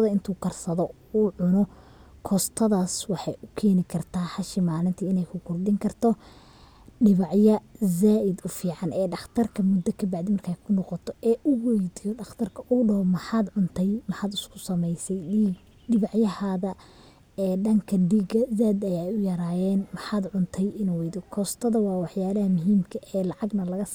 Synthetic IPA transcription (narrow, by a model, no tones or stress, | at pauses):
ðɐɪnt̪ʰuːkʰɐrsɐðɔ | uʕʊnɔ | kʰɔːst̪ʰɐðaːswɑħɑjʔʊkʰɛːnɪkʰɐrt̪ʰaːħɑʃɪmaːlɪnt̪ʰiɪnɛjkʰʊkʰʊrd̪ɪŋkʰɐrt̪ʰɔ | ɖɪβɑʕjɐzaːʔɪd̪ʊfiːʕɑnʔɛːɖɑχt̪ʰɐrkʰɐmʊd̪ːɐkʰɐbaʕd̪imɐrkʰaːjkʰʊnɔqɔt̪ʰɔʔɛːʔʊwɛjd̪ijɔɖɑχt̪ʰɐrkʰɐʔʊɖɔhɔmɐħaːd̪ʕʊnt̪ʰɛjmɐħaːd̪ʊskʰʊ̥sɐmɛjsɛj | ɖɪβɑʕjɐhaːðɐ | ɛːɖɐŋkʰɐɖiɡɐzaːd̪ɐjaːjʊjɐɾaːjɛːnmɐħaːd̪ʕʊnt̪ʰɛjɪnuwɛjd̪ɔkʰɔːst̪ʰɐðɐwɑːwɑħjaːlɐhɐmʊɦiːmkʰɐʔɛːlɑʕɑɡnɐlɐɣɐs